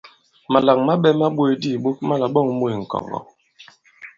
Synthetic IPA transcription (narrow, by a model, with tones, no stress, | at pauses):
ma˨la˨ŋma˦ɓɛ˦ma˦ɓwe˨di˦˨ɓo˦k̚ma˦la˨ɓɔ˦˨ŋmo˦e˨ŋ̩˨kɔ̰˨ɣɔ̰˨